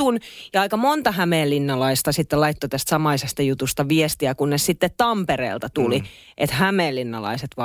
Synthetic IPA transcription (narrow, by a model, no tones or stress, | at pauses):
unjɑɑikɑmont̪ɑhæmeːlːinːɑlɑist̪ɑsit̪ːelɑit̪ːot̪æst̪sɑmɑisest̪ɑjut̪ust̪ɑʋiest̪iækunːnessit̪ːet̪t̪ɑmperḛːlt̪ɑt̪uli | ʔet̪hæmeːlːinːɑ̰lɑ̰iset̪ʋɑ